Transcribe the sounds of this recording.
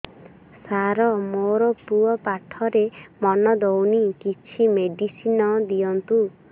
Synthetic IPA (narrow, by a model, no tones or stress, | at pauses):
saɾɔmoɾɔpuɔpaʈʰɔɾemɔnɔd̪ownikit͡ʃʰimeɖisinɔd̪ijɔnt̪u